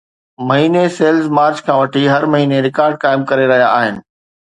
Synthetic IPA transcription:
mɐɦiːneseːlzmaːɾt͡ɕkʰãːʋɐʈʰiɦɐɾmɐɦiːneɾɪkaːɾɖ̚kaːɪmkɐɾeɾɐɦijaaːɦɪnɪ̆

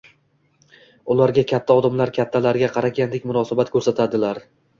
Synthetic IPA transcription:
ʊlˠaɾɡʲakʲʰat̪ʰːaɒd̪amlaɾkʲʰat̪ʰːalaɾɡʲaqʰɑɾaɡʲand̪ekʲmʊnɒsabat̪kʰɵɾsat̪ʰad̪ɪlaɾ

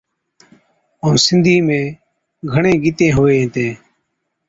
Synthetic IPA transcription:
õːsɪnd̪ʱiːmẽː | ɡʱəɳẽːɡit̪ẽːɦoːeːɦt̪ẽː

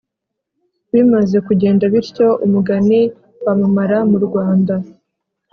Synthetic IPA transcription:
βimaze̞kuɟe̞ːndaβiɾco̞ʔumuɡani | wamumaɾamuɾɡwaːnda

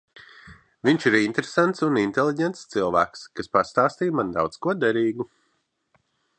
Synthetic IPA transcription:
viɲʃiɾint̪ɾesant̪sunint̪elˠiɟɛnt̪st̪sɨlˠvæ̰ːkskaspast̪aːst̪iːjmand̪a̰wt̪skuɔd̪ɛɾiːɡu

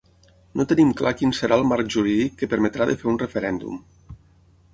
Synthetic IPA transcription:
not̪ənimklakinsəɾʔaəlˠmaɾk̚ʒuɾiðikːəpəɾmet̪ɾaðə̰feɾunrəfeɾɛnd̪ṵm

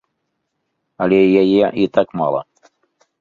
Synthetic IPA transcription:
ɐlʲɛjajɛit̪akma̰lˠɐ̰

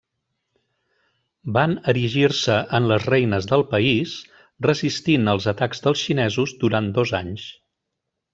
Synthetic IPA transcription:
banəɾiʒirsəʔənləzrɛjnəzðəlˠpəis | rəzist̪inəlˠzət̪akzðəlˠsʃinɛzuzd̪uɾand̪ɔzaɲs

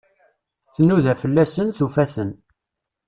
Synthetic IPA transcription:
θənːuðæfəlːæsənθufæθən

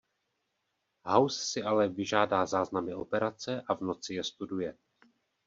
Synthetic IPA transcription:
ɦawssɪalɛvɪʒaːdaːzaːznamɪʔo̞pɛɾat͡sɛʔavno̞t͡sɪjɛst̪udujɛ

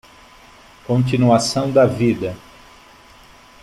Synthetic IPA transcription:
kõnt͡ʃinuasɐ̃w̃d̪ɐvid̪ɐ

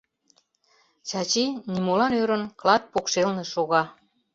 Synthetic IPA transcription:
t͡ɕɑt͡ɕinimolɑnøɾənklɑt̪̚pokʃelneʃoɣɑ

